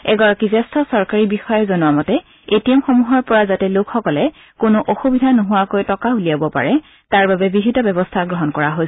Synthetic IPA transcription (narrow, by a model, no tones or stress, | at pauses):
ɛɡɔɹakizɛstʰɔsɔɹkaɹibixɔjɔzɔnʊamɔtɛ | etiɛmxomuɦɔɹpɔɹazatɛlokʰxɔkɔlɛ | konʊʔoxubidʱanoɦʊwakojtɔkaulijabɔpa̰ɹɛ | taɹbabɛbibʱitɔbɛbɔstʰaɡɹɔɦɔnkɔɹaɦo